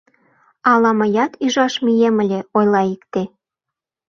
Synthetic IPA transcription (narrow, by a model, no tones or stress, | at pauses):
ɑlɑməjɑt̪yʒɑʃmijemə̆lʲeojlɑikt̪e